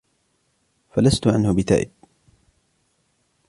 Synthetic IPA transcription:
falast̪ʊʕanhʊbɪt̪a̰ːʔɪb̪̚

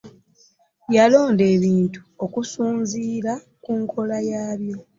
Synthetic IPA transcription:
jalo̞ːnde̞ːβiːntu̥okusuːnziːɾa | kuŋkʰo̞lajaːβjo̞

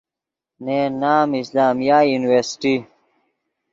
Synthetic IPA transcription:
nenaːmislaːmjaːjuniweɾsi̥ʈi

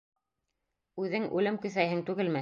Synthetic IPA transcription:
ʉðɘŋʔʉlɘmkɵ̆θæjɦɘŋt̪ʉɡɘlmæ

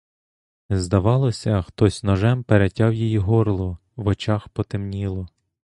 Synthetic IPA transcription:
zd̪ɐʋɑlˠɔsʲɐxt̪ɔsʲnɔʒɛmpeɾetʲɑwjijiɦɔrlˠɔ | ʋɔt͡ʃɑxpɔt̪emnʲilˠɔ

